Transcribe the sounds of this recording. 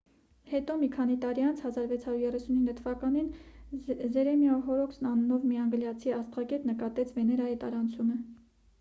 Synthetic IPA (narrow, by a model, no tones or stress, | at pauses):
hɛt̪ɔmikʰɑnit̪ɑɾiɑnt͡sʰhɑzɑɾvɛt͡sʰhɑɾjuɾjɛrɛsuninːət̪ʰəvɑkɑnin | zɛɾɛmjɑɦɔɾɔksnɑnnɔvmiɑŋɡəljɑt͡sʰiɑst̪ʁɑɡɛt̪nəkɑt̪ɛt͡sʰvɛnɛɾɑjit̪ɑɾɑnt͡sʰumə